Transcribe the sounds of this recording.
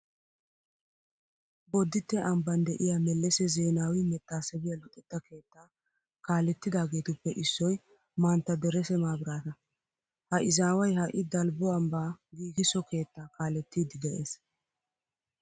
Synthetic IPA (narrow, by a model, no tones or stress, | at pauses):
bɔd̪ːɪt̪ːɛɐmbɐnd̪ɛʔɪjamɛlːɛsɛze̞ːnaːwɪmɛt̪ːaːsɛbɪjɐlʊt̪ʼːɛt̪ːɐke̞ːt̪ːaː | kaːlɛt̪ːɪd̪aːɡe̞ːt̪ʊpːɛʔɪsːɔj | maːnt̪ːɐd̪ɛɾɛsɛmaːbɪɾaːt̪ɐ | hɐʔɪzaːwɐjhɐʔɪd̪ɐlbɔɐmbaːɡiːɡɪsɔke̞ːt̪ːaːkaːlɛt̪ːiːd̪ɪɡɛʔeːs